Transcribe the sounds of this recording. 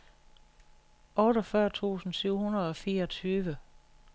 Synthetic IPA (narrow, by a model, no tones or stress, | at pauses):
ʔɔ̽ːɾɒfɶɐt͡sʰṵːsn̩syʊ̰hunɐð̩ˠɒ̽fiːɐɒt͡sʰyːʋə